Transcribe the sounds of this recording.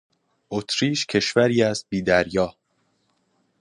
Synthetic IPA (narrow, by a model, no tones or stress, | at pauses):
ʔot̪ʰɾiːʃcʰe̞ʃvæɾiːæs̚biːd̪æɾjɒː